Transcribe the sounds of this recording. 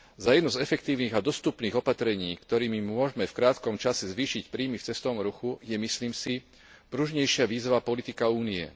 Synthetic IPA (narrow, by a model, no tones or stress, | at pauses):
zajɛd̪nuzɛfɛk̚t̪iːʊniːɣad̪ɔst̪upniːɣɔpat̪ɾɛɲiːkt̪ɔɾiːmimʊɔʒmɛfkɾaːt̪kɔmt͡ʃasɛzʋiːʃicpɾiːmift͡sɛst̪ɔʋɔmɾuxujɛmisliːmsi | pɾuʒɲɛjʃɪaʋiːzʋapɔlit̪ikauːniɛ̰